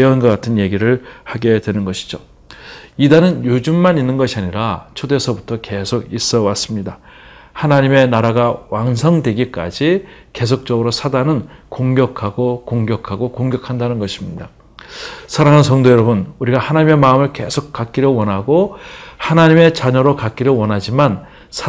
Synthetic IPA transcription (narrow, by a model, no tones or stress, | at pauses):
ʌnɡʌk͈atʰɯnje̞ɡiɾɯɭhaɡe̞dwe̞nɯnɡʌɕʰi̥d͡ʑo | idanɯnjud͡ʑumːaninːɯnɡʌɕʰiaɲiɾat͡ɕʰodwe̞sʰʌbutʰʌke̞sʰoɡis͈ʌwas͈ɯmɲida | hanaɲime̞naɾaɡawansʰʌŋdwe̞ɡik͈a̰d͡ʑike̞sʰok̚t͡ɕ͈ʌɡɯɾosʰadanɯnkoŋɡjʌkʰaɡokoŋɡjʌkʰaɡokoŋɡjʌkʰandanɯnɡʌɕʰimɲida | sʰaɾaŋɦans̬ʰʌŋdojʌɾʌbunuɾiɡahanaɲime̞maɯmɯɭke̞sʰok̚k͈ak͈̚iɾjowʌnɦaɡohanaɲime̞t͡ɕaɲʌɾokak̚k͈iɾjʌwʌnɦad͡ʑiman | sʰ